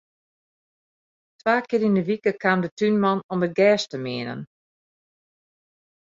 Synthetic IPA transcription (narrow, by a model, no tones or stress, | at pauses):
tʋaːkɪəɾindəʋikəkʰaːmdətynmɑnɔmdəɡɛːstəmɪənə̰n